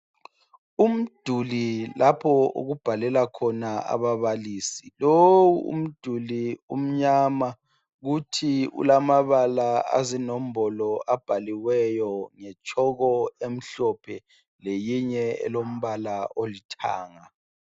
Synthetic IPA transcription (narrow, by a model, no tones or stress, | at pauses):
um̩d̥ʱulilapʰɔṵɣub̥ʱalɛlakʰɔnaa̰βaβaliːsilowuṵm̩d̥ʱulium̩ɲaːma | ɣutʰiṵlamaβalaa̰zinom̩bɔlɔab̥ʱaliɣwɛjɔŋɛt͡ʃʰʼɔɣɔem̩ɬɔpʰɛ | lejiɲɛɛ̰lom̩βalaolitʰa̰ːŋa